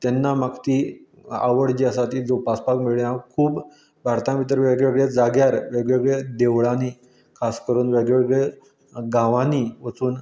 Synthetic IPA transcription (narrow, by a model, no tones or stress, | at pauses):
t̪ɛnːamakt̪iː | a̰ʋəɽd͡ʑiəsat̪iːld͡zopaspakmiɭinakʰuːb | bʱaɾt̪ãmit̪̬əɾʋeɡɭeʋəɡɭed͡zaɡjaɾʋeɡɭʋɡɭed̪eʋɭaniː | kʰaskəɾuːnʋeɡɭeʋəɡɭe | ɡãʋaniːʋət͡suːn